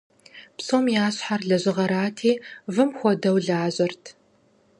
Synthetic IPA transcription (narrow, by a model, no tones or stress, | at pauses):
psomjaːɕħarɮɐʑɪʁɐɾaːtʰiːvɨmxʷɔdɐwɮaːʑʼɐrtʰ